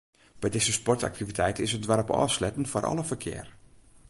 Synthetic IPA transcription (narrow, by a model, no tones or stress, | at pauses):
b̥ɛjdɪzəspɔrta̰k̚tʰivitʰɛjtəɪsədʋaɾɔpɔ̰ːslɛtən̩forʔɑ̰lˠəfərkʰɪ̰ːr